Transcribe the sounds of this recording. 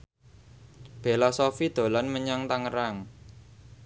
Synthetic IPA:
b̥e̤lasɔfid̪̥o̤lanməɲaŋt̪aŋəɾaŋ

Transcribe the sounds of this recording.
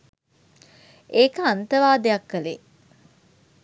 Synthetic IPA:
eːkəant̪əʋaːd̪ejɐkːəlḛ

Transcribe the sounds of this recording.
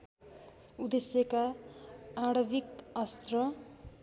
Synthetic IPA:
ud̪esjʌka | aɽʌbikʌst̪rʌ

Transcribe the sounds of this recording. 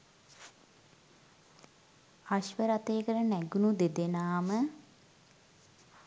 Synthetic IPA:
aɕʋəɾat̪eːkəɾənæɡunud̪ed̪enaːmə

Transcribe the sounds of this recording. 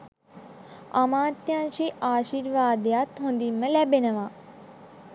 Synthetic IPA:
ɐmãːt̪jãːʃiʔaːʃiːɾʋaːd̪jaːt̪ɦõnd̪imɐ̃lɛbenɐʋaː

